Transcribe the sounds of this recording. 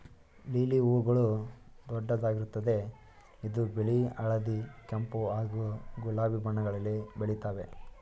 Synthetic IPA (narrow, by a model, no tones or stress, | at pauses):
liːliuːɾɡɐɭud̪ɔɖːɐd̪aːɡiɾut̪ːɐd̪e̞ | id̪ubeɭiɐɭɐd̪ikɐmpuaːɡuɡulaːʋibʱɐɳːɐɡɐɭɐlːibeɭit̪aːʋe̞